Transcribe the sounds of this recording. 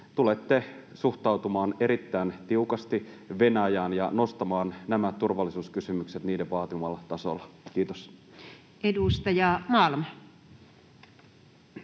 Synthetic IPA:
t̪ulet̪ːesuxt̪ɑwt̪umɑːne̞ɾit̪ːæːnt̪iukɑst̪i | ʋe̞næjæːnjɑ̰nost̪ɑmɑːnnæmætt̪ːurʋɑlːˑisuːskysymykset̪niːdeʋʋɑːt̪imɑlːɑt̪ɑso̰lːɑk̟iːt̪os | ʔedust̪ɑjɑmɑˑlmɑ

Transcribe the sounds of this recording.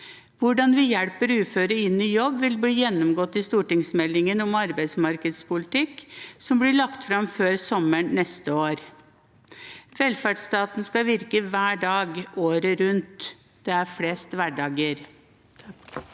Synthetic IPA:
ʋʊɖɑnʋɪjɛɽpəɾʉːføːɾəɪnːyːjɔbʋɪlbliːjɛnːɔmɡɔt̪ːɪst̪uːʈɪŋsmɛlːɪŋənɔmɑɾbæɪt̪smɑɾkəd̪spʊlɪt̪ɪkːsɔmblɪɭɑkt̪fɾɑmføːɾsɔmːəɳnɛst̪əoːɾ | ʋɛlfæɖst̪ɑːt̪nskɑʋɪɾkəʋæːɖɑːɡoːɾəɾʉnt̪ | d̪̥ɛæɾfɽeːst̪ʋæɖɑːɡəɾ

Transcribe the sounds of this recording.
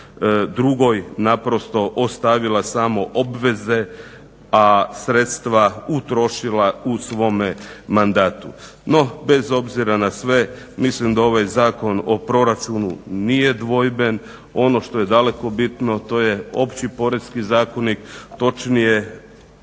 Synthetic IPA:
d̪ɾuɡo̞jnapɾo̞st̪o̞ʔost̪aʋilasaːmo̞ʔobʋe̞ze̞ | asɾet̪st̪ʋaut̪ɾo̞ʃilausʋo̞memand̪aːt̪u | no̞be̞zo̞bziɾanasʋe̞ | mislimd̪ao̞ʋajzaːko̞no̞pɾo̞ɾat͡ʃunṵnije̞d̪ʋo̞jbe̞n | o̞no̞ʃt̪o̞je̞d̪ale̞ko̞bit̪no̞t̪o̞jeo̞pt͡ʃipo̞ɾe̞d̪skizaːko̞nikt̪o̞t͡ʃnije

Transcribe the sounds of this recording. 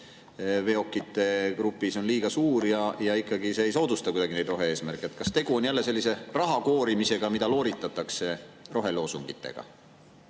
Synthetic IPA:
ve̞o̞kːˑit̪ːˑe̞kɾupːˑiso̞nliːɡ̥ɑsuːɾjɑjɑikːˑɑɡiseːejso̞ːd̪̥ust̪ɑkud̪ɑɡine̞jd̪ro̞ɦe̞e̞ːsmærkːˑeet̪ːˑkɑst̪e̞ɡ̥uo̞njælːe̞se̞lʲːise̞rɑɦɑko̞ːɾimise̞ɡ̥ɑmid̪̥ɑlo̞ːɾit̪ːˑɑt̪ːˑɑkse̞ro̞ɦe̞lo̞ːsuŋɡ̥it̪ːˑḛɡ̥ɑ̰

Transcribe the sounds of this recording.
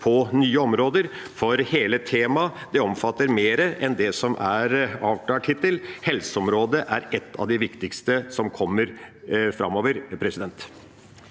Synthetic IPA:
pʰɔnyːəɔmɾoːd̪əɾ | fɔɾheːlət̪ʰeːmɑd̪ɛɔmfɑt̪ːəɾmeːɾəʔɛnd̪ɛsɔmʔæɾɑːʋk̪ʰɑːʈʰɪt̪ːəlhɛlsəɔmɾoːd̪əʔæɾɛt̪ʰːɑ̰ʋd̪ɪʋɪkt̪ɪkst̪əsɔmkʰɔmːəɾfɾɑ̰moːʋəɾpʰɾɛsɪd̪ɛnt̪

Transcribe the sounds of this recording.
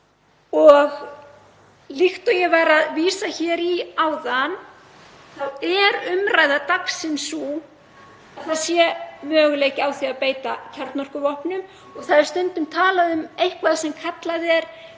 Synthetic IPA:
ɔɣ | lixt̪ɔjɛvajɾaðviːsaçɛːɾiaːwðan | θawɛɾʏmɾaːjðat̪aksɪnsu | aθaðsjɛmœːɣʏleːcɪawθiaðpeːjt̪acʰaɾ̥t̪nɔr̥kʏvɔhpnʏm | ɔɣθaðɪɾ̥st̪œnt̪ʏmt̪ʰaːlaðʏmejhkvaðasɛmkʰat̪laðɛɾ̥

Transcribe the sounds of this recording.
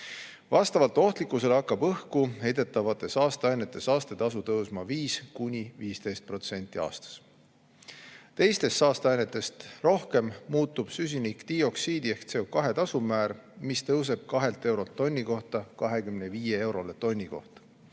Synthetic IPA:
vɑst̪ɑvɑlt̪ːo̞ht̪likːˑuse̞leɑkːˑɑbɤhkuhe̞jd̪e̞t̪ːˑɑvɑt̪ːˑe̞sɑːst̪ɑɑjnːe̞t̪ːˑe̞sɑːst̪et̪ɑsut̪ɤwsmɑviːskunʲiviːst̪e̞jst̪̚pro̞t̪se̞nt̪ːˑiɑ̰ːst̪ɑ̥s | t̪e̞jst̪e̞st̪ːɑːst̪eɑjne̞t̪ːˑe̞st̪ro̞hke̞mmuːt̪ːub̥sys̬ʲinikt̪io̞ksiːd̪ie̞hkt̪se̞okɑɦe̞t̪ɑsumæːrmist̪ɤws̬e̞b̥̚kɑɦe̞lt̪e̞wɾo̞lt̪ːo̞nʲːiko̞ht̪ɑkɑɦe̞kymneviːjee̞wɾo̞le̞t̪o̞nʲːiko̞̰ht̪ɑ̥

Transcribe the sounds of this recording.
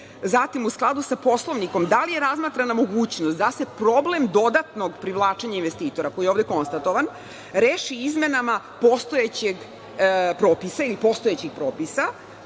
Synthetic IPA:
zat̪imusklˠad̪usapo̞slˠo̞ʋniko̞md̪alijeɾazmaːt̪ɾanamo̞ɡuːt͡ɕnost̪d̪ase̞pɾoblemd̪o̞d̪at̪noɡpɾiʋlˠaːt͡ʃeɲainʋest̪iːt̪o̞ɾako̞jijeoʋd̪eko̞nst̪at̪o̞ʋan | ɾeːʃiizme̞nama | po̞st̪oet͡ɕeɡ | pɾoːpisailipo̞st̪oet͡ɕixpɾoːpisa

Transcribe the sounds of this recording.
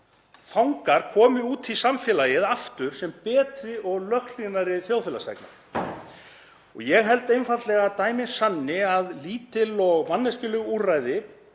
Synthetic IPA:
fawŋkaɾ̥kʰɔːmɪuːt̪ʰisamfɛlajɪðaft̪ʏɾ̥sɛmpɛːt̪ɾɪʔɔɣlœxlinaɾɪθjowfɪlast̪ɛ̰kna̰ | ɔ̰ɣjɛɣɦɛl̪t̪ejnfat̪lɛɣat̪aːjmɪnsanːɪaðliːt̪ɪlɔɣmanːɛscɪlʏɣuːraːjðɪ

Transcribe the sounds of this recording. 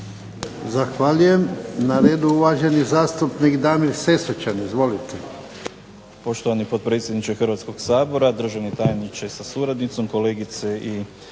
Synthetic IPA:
zaxʋaʎuje̞mnaɾe̞ːd̪uuʋaʒe̞nizaːst̪upnikd̪aːmiɾse̞sot͡ʃanizʋo̞lit̪e | po̞ʃt̪oʋanipo̞t̪̚pɾe̞t̪sjed̪nit͡ʃexɾr̩ʋat̪sko̞ɡsaːbo̞ɾad̪r̩ʒaʋnet̪ajenit͡ʃesasuɾad̪nit̪so̞mko̞le̞ːɡit̪seʔi

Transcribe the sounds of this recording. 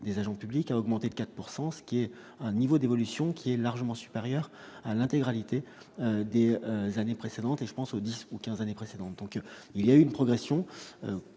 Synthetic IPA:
d̪ezaʒɑ̃pyblikaɔɡmɑ̃t̪ed̪əkat̪puʁsɑ̃sə̥kʲiɛ | ɛ̃nivod̪evɔlysjɔ̃kʲʰiɛlaʁʒəmɑ̃sy̥peʁjœʁalɛ̃t̪eɡʁalit̪e | ød̪eøzanepχesed̪ɑ̃t̪eʒəpɑ̃sod̪isukʲɛ̃zanepχesed̪ɑ̃t̪̚d̪ɔ̃kiljayynpχɔɡʁesjɔ̃ø̰

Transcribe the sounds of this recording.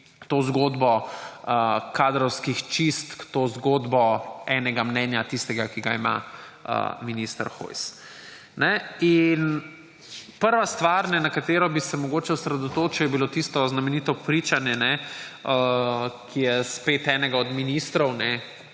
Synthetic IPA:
t̪oːzɡoːd̪bɔəkaːd̪ɾɔwskixt͡ʃist̪kt̪oːzɡoːd̪bɔɛnɛɡamnɛnjat̪ist̪ɛɡakiɡaima̰ | ə̰minist̪ə̰ɾxo̰js | nɛin | pəɾʋast̪ʋaɾnɛnakat̪eːɾɔbisɛmɔɡoːt͡ʃɛɔsɾɛd̪ɔt̪oːt͡ʃɛwjɛbilot̪ist̪ɔznamɛniːt̪ɔpɾit͡ʃanjɛnɛəkʰijɛspeːt̪ɛːnɛɡaɔd̪minist̪ɾɔwnɛ

